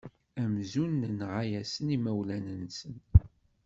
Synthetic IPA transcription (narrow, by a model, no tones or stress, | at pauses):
æmzunːənʁajæsənimæwlænənsən